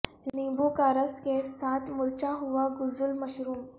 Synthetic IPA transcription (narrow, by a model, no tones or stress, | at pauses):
nibukaɾəsɡɛsat̪muɾt͡ɕaɦuʋaɡud͡zulməɕɾuːm